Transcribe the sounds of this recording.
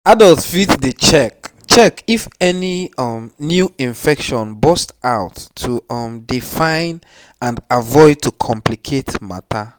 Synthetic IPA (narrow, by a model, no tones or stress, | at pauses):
adɔltfitdet͡ʃɛk | t͡ʃɛkifɛnimnjuĩɱfɛkʃɔ̃nbɔstaʊtʰːuʌmdifãɪ̃n | ãndavɔɪd̚tʰːukʰɔ̃mplikʰetma̰tʰa